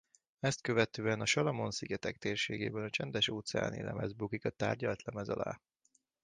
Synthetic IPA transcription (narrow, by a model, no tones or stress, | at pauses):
ɛst̪̚køvɛt̪øːɛnɒʃɒlɒmo̞nsiɡɛt̪ɛkt̪eːrʃeːɡeːbɛnɒt͡ʃɛnd̪ɛʃoːt̪sɛa̰ːnḛːlʔɛ̰mɛzbukikɒt̪aːrɟɒlt̪lɛmɛzɒ̰la̰ː